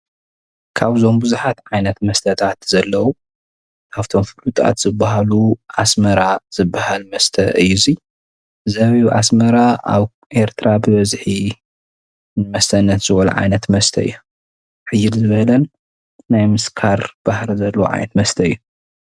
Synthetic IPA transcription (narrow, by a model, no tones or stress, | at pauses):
kʰaβzo̞mbuzuħat̪ʕajnɐt̪mɐst̪ʰɐt̪ʰat̪z̥ɐlːɐwu | kʰaft̪ʰo̞mfɨlut̪ʼa̰t̪zɨbːaɦaluʕasmɐɾaz̥ɨbːahalmɐst̪ʰɐɨjːuzi | zɐβiʔa̰smɐɾaa̰β | ʔe̞ɾt̪ʰɾabɨβɐzħi | nɨmɐst̪ʰɐnːɐt̪z̥ɨβɐlṵʕa̰jnɐt̪mɐst̪ʰɐɨ̰jːu | ʕɨjːɪlzɨβɐlɐnː | ajmɨskʰaɾb̥ahɾizɐlːɐwuʕa̰jnɐt̪mɐst̪ʰɐɨjːu